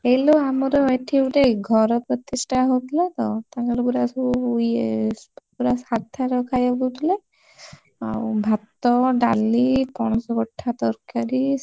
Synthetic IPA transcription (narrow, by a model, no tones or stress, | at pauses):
ejloamɔɾɔeʈʰiuʈeɡʱɔɾɔpɾɔt̪isʈʰaɦot̪ʰilat̪ɔ̰t̪aɡaɾɔbuɾasj | puɾasaɾt̪ʰaɾɔkʰajabut̪ʰile | a̰bʱat̪ːɔɖalipɔɽ̃ɔsɔɡɔʈʰːat̪ɔɾkaɾi